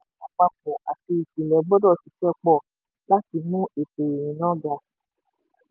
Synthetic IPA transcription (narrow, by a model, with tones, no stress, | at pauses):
a˨k͡pa˧k͡pũ˨ʔa˨ti˧i˨ki˨lɛ˨˦ɡ͡bɔ˦dɔ˦˨si˨˦ʃɛ˦k͡pɔ˦˨ | la˦ti˧mũ˦e˨pe˨e˨ñĩ˨˦nã˦ɡa˧